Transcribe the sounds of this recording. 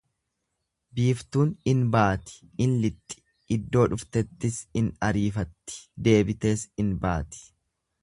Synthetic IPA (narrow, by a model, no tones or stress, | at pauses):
biːft̪uːnɪnbaːt̪ɪ̥ | ɪnlɪt̪ʼːɪ̥ | ɪd̪ːo̞ːᶑʊft̪ɛt̪ːɪsɪnɐɾiːfɐt̪ːɪ̥d̪e̞ːbɪt̪e̞ːsɪnba̰ːt̪ɪ̥